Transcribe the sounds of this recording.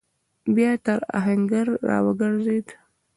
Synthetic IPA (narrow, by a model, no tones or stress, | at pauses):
bjaːt̪aɾa̰ɦaŋɡaɾːa̰wəɡəɾzed̪